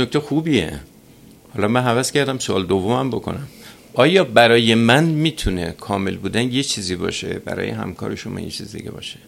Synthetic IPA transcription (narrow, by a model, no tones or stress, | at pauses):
nok̚t̪exuːbiḛ | hɒːlɒːmænɦævæscæɾd̪æmsoʔɒːled̪ovːo̞mæmbo̞kʰo̞̰næm | ʔɒːjɒːbæɾɒːje̞mænmiːt̪ʰune̞̰kʰɒːme̞̰lbuːd̪ænjet͡ʃʰiːziːbɒ̰ːʃe̞̰bæ̰ɾɒ̰ːjḛɦæ̰mkʰɒ̰ːɾe̞ʃomɒ̰ːjḛt͡ʃʰiːzid̪ḭɟe̞̰bɒ̰ːʃe̥